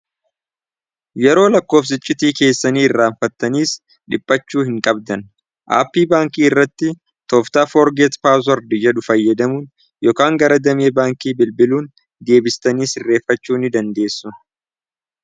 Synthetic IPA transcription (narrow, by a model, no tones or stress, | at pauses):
jɛɾo̞ːlɐkːo̞ːfs̬ɪt͡ʃʼːɪt̪iːke̞ːsːɐniːɪrːaːɱfɐt̪ːɐniːs | ᶑɪpʼːɐt͡ʃːuːhɪŋkʼɐb̚d̪ɐn | ʔa̰ːpːiːbaːŋkiːɪrːɐt̪ːɪ | t̪ɔːft̪aːfoːɾɡɛt̪paːs̬ɔɾd̪ɪd͡ʒɛᶑʊfɐjːɐd̪ɐmun | joːkaːŋɡɐɾɐd̪ɐmeːbaːŋkiːbɪlbɪluːn | d̪e̞ːbɪst̪ɐniːsɪrːe̞ːfːɐt͡ʃːuːnɪd̪ɐnd̪e̞ːsːʊ